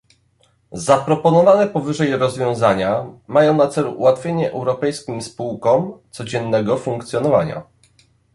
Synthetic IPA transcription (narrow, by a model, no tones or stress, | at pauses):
zapɾɔpɔnɔvanɛpɔvɘʐɛjɾɔzvʲjɔ̃w̃zaɲamajɔ̃w̃nat̪sɛluʔuwat̪fʲjeɲɛʔɛwɾɔpɛjskʲimspuwkɔmt̪sɔd͡ʑɛnːɛɡɔfũŋkt̪sʲjɔnɔvaɲa̰